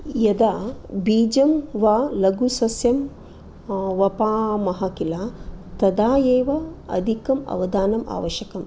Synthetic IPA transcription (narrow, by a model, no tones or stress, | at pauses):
jɐd̪aːbiːd͡ʒɐmʋaːlɐɡusɐsjɐm | ʋɐpaːmɐɦɐkilaːt̪ɐd̪aːjeːʋɐɐ̰d̪ʱikɐmɐ̰ʋɐd̪aːnɐma̰ːʋɐʃjɐkɐm